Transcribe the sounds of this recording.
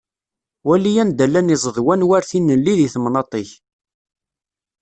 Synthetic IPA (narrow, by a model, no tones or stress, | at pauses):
wælijænd̪ælːænizˤəðˤwænwæɾθinːəlːiðiθmnɑt̪ˤeç